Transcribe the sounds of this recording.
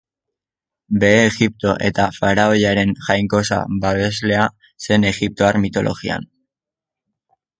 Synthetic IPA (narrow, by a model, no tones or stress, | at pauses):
be̞ːɣip̚t̪o̞ʔe̞̰t̪afaɾaojaɾe̞nʝajŋko̞sa̰βaβe̞zle̞a | se̞ne̞ɣip̚t̪o̞aɾmit̪o̞lo̞̰ɣia̰n